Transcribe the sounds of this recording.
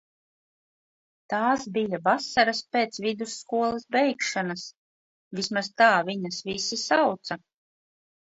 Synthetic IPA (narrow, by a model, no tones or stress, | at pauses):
t̪aːsbijavasaɾaspeːt̪svid̪usːkuɔlˠɐsbɛjkʃanas | vismazt̪aːviɲɐsvisisawt̪sa